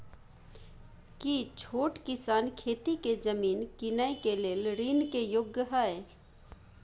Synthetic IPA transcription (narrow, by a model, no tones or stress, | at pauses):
kit͡ʃʰoːʈkisaːnkʰet̪iked͡ʒəmiːnkinəjkeleːlɾinkejoɡjəɦəe